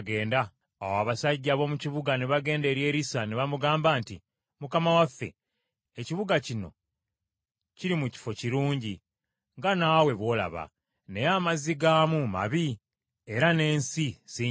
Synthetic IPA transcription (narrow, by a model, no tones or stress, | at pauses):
ɡe̞ːndaː | waːβasaɟːaβo̞muciβuɡaneβaɡe̞ːnde̞ɾje̞ːɾisaneβamuɡaːmbaːnti | mukamawafːe̞̰ | eciβuɡacino̞̰ | ciɾimuci̥fo̞ciɾuːɲɟi | ŋɡanaːwe̞βwo̞ːla̰βa̰ | nejamaziɡaːmuma̰βi | e̞ɾane̞ːnsiz̥i